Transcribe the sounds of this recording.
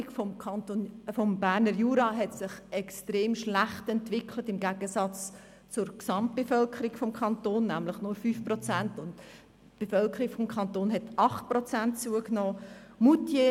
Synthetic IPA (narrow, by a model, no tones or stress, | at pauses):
ikfɔkʰɑntonfɔmbæːɾnəɾjuːɾɑɦɛtsɪχɛkstreːmʃlæχtɛntvɪkʰlətɪmɡæɡ̥əsɑt͡s | t͡sʊɾksɑmt̚b̥efœlkʰəɾikfɔmkʰɑntoːnːæmləχnʊɾfyːfpɾrɔt͡sæntʊnt | b̥efœlkʰəɾikfɔmkʰɑntoːnɦɛtɑχt̚prɔt͡sæntt͡suəknɔːmutje